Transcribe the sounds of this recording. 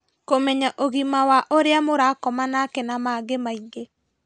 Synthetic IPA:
komɛɲaʔoɣimawaʔoɾeamoɾakɔmanakɛnamaɡemaiŋɡe

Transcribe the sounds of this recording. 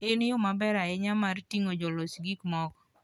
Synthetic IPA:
ɪnjʊmabɛɾaɪɲamartiŋod͡ʒɔlosɡikmɔk

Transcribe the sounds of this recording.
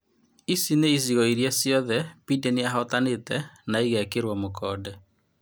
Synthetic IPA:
isineiziɣɔiɾjɛsjɔðɛpidɛneaɦɔtanetɛnaiɣɛkeɾwɔmokʰɔːdɛ

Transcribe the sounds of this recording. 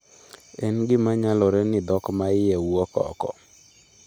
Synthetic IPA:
ɛnɡɪmaɲalɔɾɛnɪd̪ɔkɔmaɪjɛwuɔkɔ̰kɔ̰

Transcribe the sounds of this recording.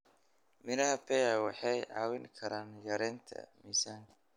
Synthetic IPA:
mɪnɐɦɐpʰɛjawɑħɑjʕɑːwɪŋkʰɐɾaːnjɐɾɛːnt̪ʰɐ̰miːsaːŋkʰɐ̥

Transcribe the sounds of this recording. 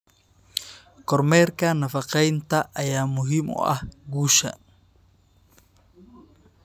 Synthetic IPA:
kʰɔrmɛːrkʰɐnɐfɑqɛjnt̪ʰɐʔɐjaːmʊɦiːmʊ̰ʔɐ̰hɡuːʃɐ̰

